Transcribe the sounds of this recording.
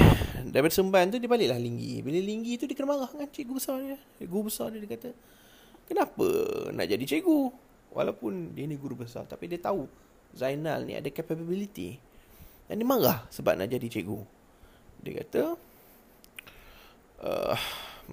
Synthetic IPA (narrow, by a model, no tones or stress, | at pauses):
dapat̪səmbant̪̬udiəbalɪʔlahliŋɡḭbiləliŋɡit̪udiəkənəmaɣahŋaɲt͡ʃiʔɡubəsardiə | ɡuubəsardiədiəkat̪ə | kənapə̰na̰ʔd͡ʒadit͡ʃeʔɡu | wa̰lawpʊndiniɡuɾubəsa̰rt̪apidiət̪au | zajna̰lnḭa̰dakapababilit̪ḭ | dandiəmaɣa̰hsəba̰p̚na̰ʔd͡ʒadit͡ʃeʔɡu | diə̰ka̰t̪ə | ʔə̰